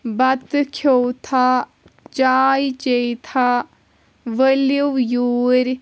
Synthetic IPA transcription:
bɐt̪kʰowt̪ʰa | t͡ʃaːjt͡ʃejt̪ʰa | ʋəliwjuːɾ

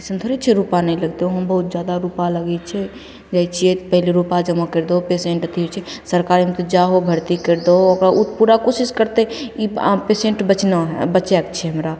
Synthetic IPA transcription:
sənd̪ʰʱəɾit͡ʃʰɛɾupanəĩləɡt̪eõɦəmbəɦut̪̚d͡ʒjad̪aɾupaləɡɛt͡ʃʰɛ | d͡ʒɛt͡ʃʰijepəɦɪleɾupad͡ʒəmakəɾd̪oopesẽɳʈət̪ʰit͡ʃʰɛsəɾkaːɾimt̪od͡ʒaɦobʱəɾt̪ikeɾd̪ookɾaut̪puɾakosiskəɾt̪eipesẽɳʈbət͡ʃnaɦbət͡ʃɛk̚t͡ʃʰɛɦəmɾa

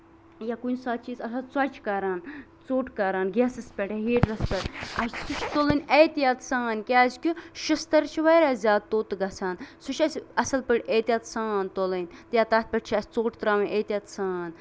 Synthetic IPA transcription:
jakunʲsaːt̪̚t͡ʃiːzɐsat͡swɐt͡ʃʰkɐɾaːn | t͡soːʈkɐɾaːnɡʲɛːsɐspʲɐʈaɦeːʈɾɐspʲɐɾʲɐsʲsut͡ʃʰt̪olɨnʲejt̪jat̪saːnkʲeːzʲkʲuʃɨst̪ɐɾt͡ʃʰiʋɐjɾaːzʲaːd̪̚t̪oːt̪ɨɡɐt͡sʰaːnsut͡ʃʰɐsʲɐsɐlpəʈʲeːt̪ʲjat̪saːnt̪olɨnʲt̪jaːt̪aːt̪̚ʰʲpʲɐʈt͡ʃʰiɐsʲt͡soːʈt̪ɾaːʋɐnʲʔeːt̪ʲjat̪saːn

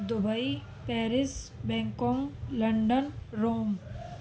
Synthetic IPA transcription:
d̪ʊbəi | pɛːɾɪsbɛ̃ːŋkɔ̃ŋɡlɐɳɖənɾoːm

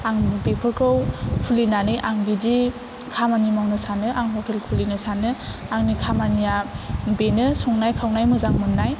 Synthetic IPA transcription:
aŋbepʰɯɾkʰɯwkʰulinanɯjʔaŋbidi | kʰamanimawnɯsanɯʔaŋɦɔtʰelkʰulinɯsanɯaŋnikʰamanijabenɯsɔŋnajkʰawnajmɯzaŋmɯnːaj

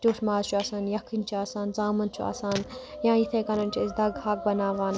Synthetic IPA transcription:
t̪oːʈʰmaːzt͡ʃʰuaːsaːnjɐkʰint͡ʃʰuaːsaːnzaːmɐnt͡ʃʰua̰ːsaːn | jãːit̪ʰekɐnɐnt͡ʃʰiɐsd̪ɐɡhaːk̚bɐnaːʋaːn

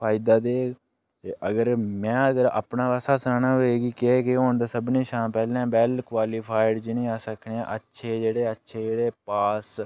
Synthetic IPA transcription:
pʰaːɪd̪aːd̪eː | ʔəɡəɾmɛ̃ːəɡəɾa̰ːpnaːʋaːsaːsaːnaːɦoːeːɡiːkekeɦoːɳd̪aːsəbnĩːʃãːmpɛːlãːbɛːlkʋaːliːpʰaːɪɖd͡ʒinĩːaːsəkʰneã̰ːʔətːʃʰeːd͡ʒeːɽeːətːʃʰeːd͡ʒeːɽeːpaːs

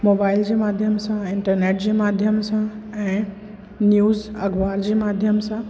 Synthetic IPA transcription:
moːbaːɪld͡ʑeːmaːd̪ʱjəmsãɪ̃ɳʈəɾneːʈ̚d͡ʑeːmaːd̪ʱjəmsãɛ̃ː | njuːzɐɡʋaːɾd͡ʑeːmaːd̪ʱjəmsã

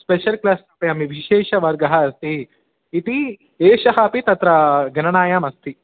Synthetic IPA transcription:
speʃɐlklaːsɐpɐɐmiʋiʃeːʃɐʋɐɾɡɐɦɐɐst̪iː | t̪i | eːʃɐɦaːpit̪ɐt̪ɾɐɡɐnɐnaːjaːmɐst̪i

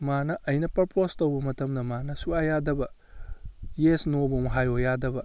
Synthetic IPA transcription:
manɐʔɐjnɐpɐɾpostowbɐmɐtɐmdɐmanɐsuajadɐbɐ | jesnobɐmɐɦajojadɐbɐ

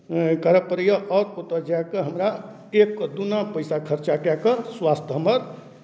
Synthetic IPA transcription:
kəɾəpəɾijəʔɔːɾpot̪əd͡ʒakeɦəmɾa | ekːd̪unapəɪsakʰəɾt͡ʃakakəɾswast̪ʰɦəməɾ

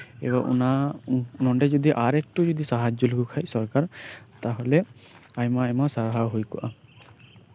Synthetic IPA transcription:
ḛbaʔṵnanɔɳɖɛd͡ʒɔd̪iʔaɾɛk̚ʈud͡ʒɔd̪isaɦad͡ʒɔlukʰukʰajsɔɾkaɾt̪aɦɔleajmajmasaɾɦawɦojkɔʔa

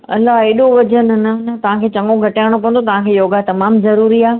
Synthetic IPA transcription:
ɐ̰lːaɦeːɗoʋɐd͡ʑənnɐnɐt̪ɐʋ̤ãkʰeːt͡ɕɐ̃ŋɡoɡʱɐʈaːɪɽ̃op̬ɐʋə̃nd̪ot̪ɐʋ̤ãkʰeːjoːɡat̪ɐmaːmzɐɾuːɾiaː

